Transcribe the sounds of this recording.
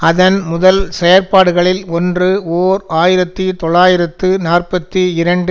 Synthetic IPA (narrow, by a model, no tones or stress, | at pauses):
ɐðɐnmʊðɐlsɛjɐɾpaːɽɯɣɐɭɪlɔndrɯoːɾaːjɪɾɐt̪ːɯt̪ɔɭːaːjɪɾɐt̪ːɯnaːrpɐt̪ːɯɪɾɐɳɖɯ